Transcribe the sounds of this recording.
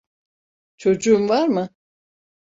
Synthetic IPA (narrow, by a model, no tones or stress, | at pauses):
t͡ʃʰo̞d͡ʒuumvaɾmɯ